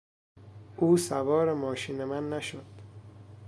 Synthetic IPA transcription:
ʔuːsævɒːɾemɒːʃiːnemænːæʃod̪̥

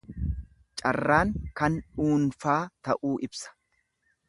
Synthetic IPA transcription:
t͡ʃʼɐrːaːŋkɐnuːnfaːt̪ɐʔuːʔɪbsɐ̥

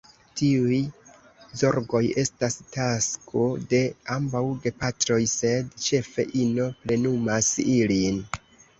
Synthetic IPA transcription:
tiuj | zo̞ɾɡo̞je̞stastaskʰode̞ambawɡe̞patɾo̞jse̞dt͡ʃe̞fe̞̰ʔino̞ple̞numasilin

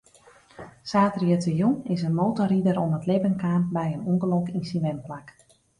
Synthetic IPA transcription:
saːtrjətəjunɪsənmowtɔɾidəɾonətlebənkaːnbɛjənuŋɡəlokinsinʋɛmplak

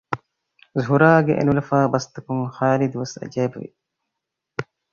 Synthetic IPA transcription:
zɦuɾaːɡḛʔḛnulɐfaːbɐst̪ɐkuŋxaːlid̪uʋɐsɐ̰d͡ʒaːbɐʋḭ

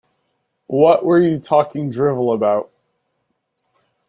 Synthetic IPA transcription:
wʌʔwə˞jɨtʰɔkɪ̃ŋdɹɪvl̩ˠəbaʊt̚

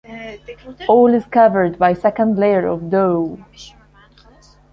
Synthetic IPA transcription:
olɪz̥kʌvə˞d̚bajsɛkə̃ndleəɹɔ̰vdoʊ

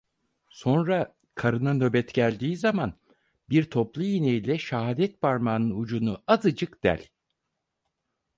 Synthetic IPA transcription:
so̞nɾa | kʰaɾɯnanø̞bɛt̪ɟælʲd̪iːzaman | biɾt̪ʰo̞plˠujinejilʲɛʃaɦaːd̪ɛt̪̚baɾmaːnɯnud͡ʒunuazɯd͡ʒɯkd̪̥æ̰lʲ

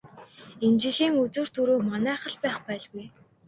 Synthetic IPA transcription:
ent͡ɕiɮiːŋut͡sŭːr̥t̪ɵɾuːmanæːχə̆ɮpæːχpæːɮɣuj

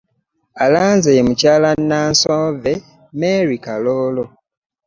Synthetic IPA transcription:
alaːnzejemucaːlanːaːnsoːve | meɾikaloːlo

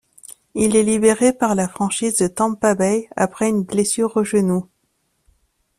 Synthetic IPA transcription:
ilɛlibeʁepaʁlafχɑ̃ʃizd̪ət̪ɑ̃pabɛja̰pχɛynblesyʁoʒənu

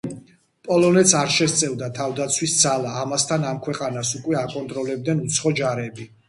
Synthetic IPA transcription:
pʼɔlɔnɛt̪sʰaɾʃɛst̪sʼɛvd̪at̪ʰavd̪at̪sʰwisd̪zalaːmast̪ʰanamkʰwɛqʼanasukʼwɛakʼɔnt̪ʼɾɔlɛb̚d̪nɛnut̪sʰχɔd͡ʒaɾɛbi

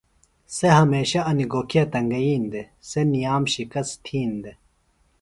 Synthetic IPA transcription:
seɦɐmeːɕɐɐniɡoːkʰijat̪ɐŋɡɐjiːnd̪e | senijaːmɕikɐst̪ʰiːnd̪e

